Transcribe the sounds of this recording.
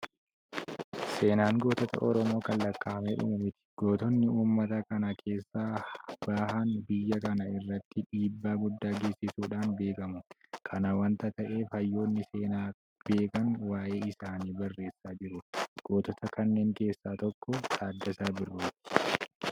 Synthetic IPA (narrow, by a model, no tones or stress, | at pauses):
se̞ːnaːŋɡo̞ːt̪ɔt̪ɐ̰ʔɔɾɔmo̞ːkɐlːɐkʼːaːmeᶑʊ̰mʊmɪt̪ɪ̥ɡ̥o̞ːt̪ɔnːɪuːmːɐt̪ɐkɐnɐkʰe̞ːsːaːb̥aːhɐnbɪjːɐkɐnɐɪrːɐt̪ːɪᶑiːbːaːɡʊd̪ːaːɡeːsɪsuːᶑaːnbe̞ːkɐmʊkʰɐnɐwɐnt̪ɐt̪ɐʔe̞ːfhɐjːo̞ːnːɪse̞ːnaː | b̥e̞ːkɐnwaːʔe̞ːɪsaːniːbɐrːe̞ːsːaːd͡ʒɪɾʊɡ̥o̞ːt̪ɔt̪ɐkɐnːe̞ːŋke̞ːsːaːt̪ɔkːɔtaːd̪ːɐsaːbɪrːuːt̪ɪ̥